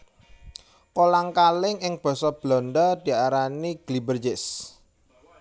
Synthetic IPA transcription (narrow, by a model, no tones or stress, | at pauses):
kolaŋkalɪŋɪŋb̥ɔ̤sɔb̥lɔ̤nd̪ɔd̪̥i̤aɾaniɡ̥libərd͡ʒɪs